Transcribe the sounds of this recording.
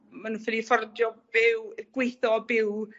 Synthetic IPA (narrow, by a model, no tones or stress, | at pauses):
manũnfɪdifɔrdjɔb̥ɪwɡ̥wejθɔbɪw